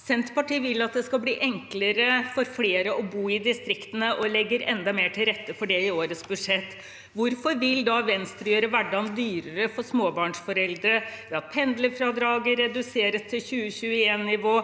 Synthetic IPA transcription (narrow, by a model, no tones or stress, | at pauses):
sɛnt̪pɑʈiːʋɪlːɑt̪̚d̪ɛskɑlbliːʔɛŋkləɾəfɔɾfleːɾəʔɔbuːɪd̪ɪst̪ɾɪkt̪ənəʔɔlɛɡːəɾɛ̰nd̪ɑmeːʈʰɪlɾɛt̪ːəfɔɖɛɪoːɾət̪sbʉd̪ʂɛt̪ː | ʋʊɾfɔɾʋɪld̪ɑʋɛnst̪ɾjøːɾəʋæɖːɑnd̪yːɾəɾəfɔʂmoːbɑːɳʂfɔɾɛld̪ɾəjɑpʰɛnd̪ləfɾɑd̪ɾɑːɡəɾːɛd̪ʉseːɾəst̪ʰɪlçʉːəçʉːəeːnːɪʋoː